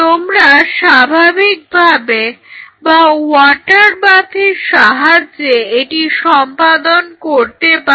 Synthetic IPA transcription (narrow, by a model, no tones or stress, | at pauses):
t̪omɾaʃabʱabik̚bʱabebaɔʈaɾbat̪ʰiɾʃaɦaeeʈiʃɔmpad̪onkoɾt̪epa